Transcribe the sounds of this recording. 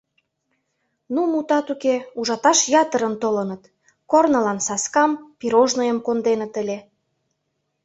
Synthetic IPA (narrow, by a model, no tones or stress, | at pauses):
numut̪ɑt̪ukeuʒɑt̪ɑʃjɑt̪ə̆ɾənt̪olə̆nət̪ | kornɤ̆lɑnsɑskɑmpiɾoʒnəjəmkond̪enət̪ə̆lʲe